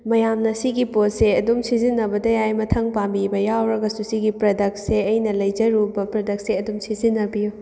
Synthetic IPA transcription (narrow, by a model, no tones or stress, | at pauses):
mɐjamnɐsiɡipot̚seɐdumsizinːɐbɐdɐjajmɐtʰɐŋpambibɐjawɾɐɡɐsusiɡipɾɐdɐk̚tseɐjnɐlɐjd͡ʒɐɾubɐpɾɐdɐk̚seɐdumsizinːɐbiju